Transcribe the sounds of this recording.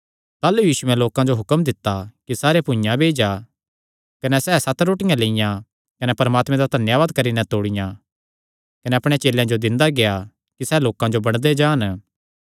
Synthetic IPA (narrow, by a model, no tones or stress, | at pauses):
t̪aːlujiːsʊɛ̃loːkãd͡ʒoɦʊkəmd̪ɪt̪ːakisaːɾepʊ̃jãbʱeːd͡ʒa | kɐnɛsɛːsɐt̪ɾoːʈɪjãleɪjã | kɐnɛpɐɾɐmaːt̪mẽd̪ad̪ʱɐnjaʋaːd̪̚kɐɾinɛt̪oːɽɪjã | kɐnɛɐpɽ̃et͡ʃeːlːjãd͡ʒod̪ɪ̃nd̪aɡeja | kisɛːloːkãd͡ʒobɐɽ̃d̪ed͡ʒãːn